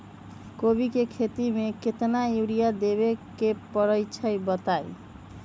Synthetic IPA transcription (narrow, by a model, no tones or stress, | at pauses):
kobikekʰet̪imeket̪naewɾijad̪eβekepəɾəjt͡ʃʰəjbət̪aj